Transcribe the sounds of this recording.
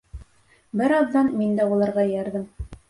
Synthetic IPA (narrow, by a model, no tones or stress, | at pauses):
bɘɾɑðd̪ɑnmind̪æulˠɑɾʁɑjɑɾðɤm